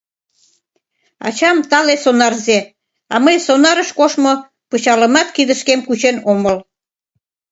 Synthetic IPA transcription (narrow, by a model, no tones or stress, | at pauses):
ɑ̰t͡ɕɑmt̪ɑlesonɑrze | ɑ̰məjsonɑɾəʃkoʃmo | pɤt͡ɕɑlə̆mɑt̪kid̪əʃkemkut͡ɕenoməl